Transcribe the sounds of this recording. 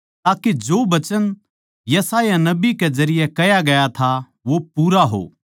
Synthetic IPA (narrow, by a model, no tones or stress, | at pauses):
t̪aːked͡ʒoːbɐt͡ʃən | jɐsaːjanɐbikezɐɾɪjɛkɐjaɡɐjat̪ʰa | ʋopuːɾaɦo̰ː